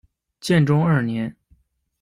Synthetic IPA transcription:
t͡ɕjɛ˥˩nʈ͡ʂʊ˥ŋə˞˥˩njɛ˧˥n

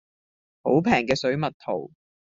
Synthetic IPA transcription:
ho˨˥wpʰɛː˨˩ŋkɛː˧sɵ˨˥ɥmɐ˨t̚t̪ʰo̰˨˩w

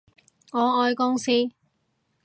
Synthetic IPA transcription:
ŋɔː˨˧ɔː˧jkʊ˥ŋsiː˥

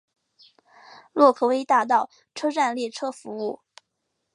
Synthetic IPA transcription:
lwɔ˥˧kʰɤ˥˩we˧˥ɪt̪a˥˧t̪̬ɑ˥˩ʊ | ʈ͡ʂʰɤ˥ʈ͡ʂa˥˧nljɛ˥˩ʈ͡ʂʰɤ˥fu˧˥u˥˩

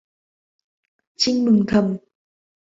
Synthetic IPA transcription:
t͡ɕi˧˥ŋmɨ˨˩ŋt̪ʰə˨˩m

